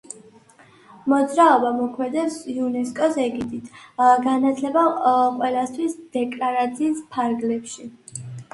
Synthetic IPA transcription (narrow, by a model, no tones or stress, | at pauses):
mɔd̪zɾaɔbamɔkʰmɛd̪ɛpsiunɛskʼɔsɛɡid̪it̪ʰɡanat̪ʰlɛbaqʼwɛlˠast̪ʰwisd̪̥ɛkʼlaɾat̪sʰiːspʰaɾɡlɛpʃi